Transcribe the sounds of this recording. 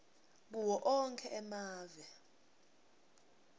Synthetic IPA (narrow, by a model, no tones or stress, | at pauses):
ɓuwɔʔɔŋkʰɛʔɛmaːvɛ